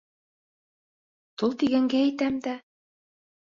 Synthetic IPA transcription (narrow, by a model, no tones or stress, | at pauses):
t̪olˠt̪iɡæŋɡæːjt̪æmd̪æ